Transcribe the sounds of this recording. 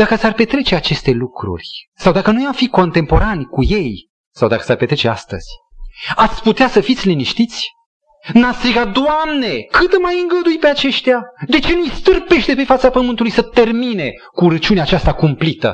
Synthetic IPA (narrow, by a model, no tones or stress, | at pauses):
d̪̥akəsarpe̞t̪ɾe̞t͡ʃe̞at͡ʃe̞st̪e̞lukɾṵrʲsawd̪akənujawfiko̞nt̪e̞mpo̞ɾanʲkuje̞j | sawd̪a̰kə̥sarpe̞t̪ɾet͡ʃe̞ast̪ə̰z̥ʲ | at̪sʲput̪easəfit̪sʲliniʃt̪it̪sʲ | nast̪ɾiɡat̪̚d̪oamne̞kɨt̪majɨŋɡəd̪ujpeat͡ʃe̞ʃt̪ead̪e̞t͡ʃe̞nujst̪ɨrpe̞ʃt̪epe̞fat̪sapəmɨnt̪ulujsət̪e̞rmine̞ | kuɾət͡ʃiuneat͡ʃast̪akumplit̪ə̰